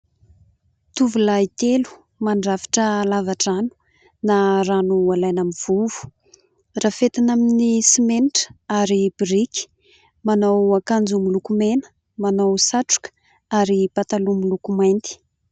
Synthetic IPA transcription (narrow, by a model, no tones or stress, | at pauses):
t̪uvulait̪elu̥ | maɳɖ͡ʐafi̥ʈ͡ʂəlavaʈ͡ʂanu̥ | naranualajnamiv̥uvu̥ | raːfet̪anaminisimeniʈ͡ʂə̥aɾibiɾiki̥ | manawakand͡zumilukumenə̥ | manawsaʈ͡ʂu̥kə̥ | aɾipat̪alumilukumajnt̪i̥